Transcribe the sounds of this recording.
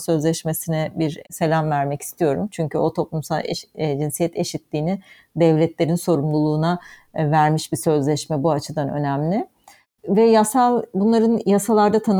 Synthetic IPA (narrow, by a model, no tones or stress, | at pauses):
sø̞zlʲɛʃme̞sinɛbiɾse̞lʲamvæɾmɛci̥st̪ʰijo̞ɾṵmt͡ʃʰyɲcʰyo̞t̪ʰo̞plˠumsa̰lˠed͡ʒinsijɛt̪ʰe̞ʃit̪lʲiːnɪ | d̪ɛvlʲɛt̪lʲe̞ɾinso̞ɾumlˠulˠuːnavæɾmiʃbisø̞zlʲɛʃmɛbuat͡ʃʰɯd̪anø̞̰næmlʲɪ | vɛjasalˠbunlˠaɾɯnjasalˠaɾd̪at̪ʰan